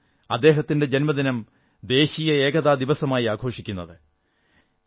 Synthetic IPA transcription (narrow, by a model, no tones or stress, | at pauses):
ɐ̰d̪ːe̞ːɦɐt̪ːinde̞d͡ʑenmɐd̪inɐm | d̪e̞ːɕijɐe̞ːɡɐðaːd̪iʋɐsɐmaːjiaːɡʱo̞ːʂikʲːunːɐðɨ